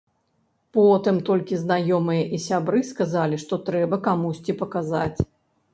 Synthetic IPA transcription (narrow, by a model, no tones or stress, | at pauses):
pɔt̪ɨmt̪ɔlʲkʲiznajɔmɨjɐʔisʲabɾɨskazalʲiʂt̪ɔt̪ɾɛbɐkamusʲt͡sʲipɐkaza̰t͡sʲ